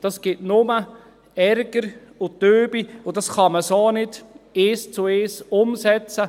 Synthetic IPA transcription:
d̥ɑsɡ̥ɪtnʊmə | ɛɾɡ̥əɾ | ʊtøːbiʊdɑsχɑməsoːnɪdeːst͡sʊeːsʊmsɛt͡sə

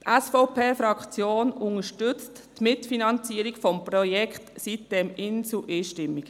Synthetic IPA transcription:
tɛsfoʊpeːfɾɑkχt͡sjoːnʊŋəʃtʏt͡st | tmɪtfinɑnt͡siːəɾiɡfɔmprɔjɛkχtsit̚d̥ɛmɪnt͡suʔiːʃtɪmːik

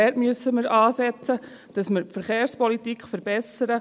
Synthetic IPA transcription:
ɛtmyəsːəməɾɑːsɛt͡sə | d̥ɑsməɾpfəɾχeːɾspɔlitikχfəɾbɛsəɾə

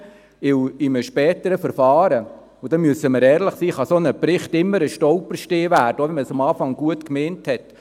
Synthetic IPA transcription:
ɪwɪməʃpɛːtəɾəfəɾfɑːɾə | ʊd̥ɛmyəsəməɾɛːɾləχsiːχɑsonəpɾɪχtɪmːəɾəʃtɔʊpəɾʃteːʋæːrd̥əoʋɛnməsɑmɑːfɑŋɡ̥uətkmeːnthɛt

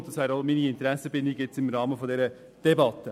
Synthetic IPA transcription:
td̥ɑsʋæːɾolminiɪnt̪əɾɛsəbɪnd̪ɪɡjɛt͡sɪmɾɑːmənfɔndeːɾə | d̥ɛbɑt̪ːə

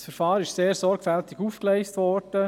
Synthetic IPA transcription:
sfəɾfɑːɾɪʃseːɾsɔɾɡfæltɪɡuːfkleɪstʋɔɾd̥ə

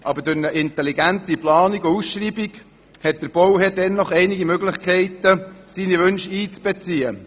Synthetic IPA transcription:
ʔɑbəɾdʊɾnəʔɪnt̪ɛliɡæntiplɑːniɡousʃriːbiɡ | hɛt̚d̥̪əɾb̥ɔwɦɛdɛnːɔχɛɪniɡimøɡlɪχkʰɛɪt̪əsiːniʋɵnʃiːt͡sb̥ɛt͡siːə

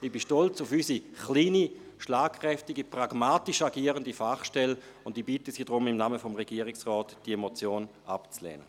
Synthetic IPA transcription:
ibiʃtɔlt͡sʊfysiχliːni | ʃlaːkʰχʁ̥ɛftiɡipʁaɡ̥maːtiʃaɡiːəʁəndifaχʃtɛlʊndiːbitəsiːdʁʊmɪmnaːməfɔmʁɛɡ̥iːəʁɪksʁɔːtd̥iemot͡sjoːn | apt͡slɛ̰ːnə

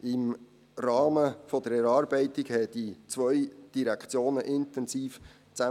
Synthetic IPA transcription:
ɪm | rɑːməfɔd̪əɾɛɾɑːɾbɛɪtɪɡhɛəd̥it͡sʋœʏd̥iɾækʰt͡sjoːnəʔɪntɛnsiːf | t͡sæ

